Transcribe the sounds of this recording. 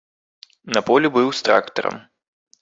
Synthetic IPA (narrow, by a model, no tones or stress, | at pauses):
nɐpɔlʲibɨwst̪ɾa̰kt̪ɐ̰ɾɐ̰m